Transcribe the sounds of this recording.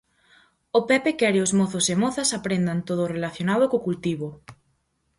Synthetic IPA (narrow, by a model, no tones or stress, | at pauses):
opɛpekɛɾɪʊzmoθosemɔθɐsapɾend̪ant̪oð̞orelaθjonaðokokult̪iβo